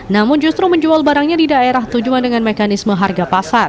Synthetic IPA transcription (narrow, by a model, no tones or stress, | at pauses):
namʊnd͡ʒust̪ɾuməɲd͡ʒualbaɾaŋɲadidaeɾaht̪ud͡ʒuandəŋanmekanisməɦarɡapasar